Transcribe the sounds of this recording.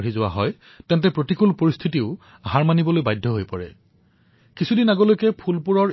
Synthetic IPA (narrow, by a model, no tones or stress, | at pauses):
ɹizʊwa̰ɦɔj | tɛntɛpɹotikulpoɹist̪ʰitiʊ | aɦaɹmanibɔlojbajdʱːɔɦojpɔɹɛ̰ | kisʰudinaɡolojkɛpʰulpuɹɔɹ